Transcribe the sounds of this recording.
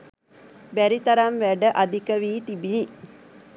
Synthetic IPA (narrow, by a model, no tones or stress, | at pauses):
bæɾit̪aɾamʋæɖəʔad̪ikəʋiːt̪ibini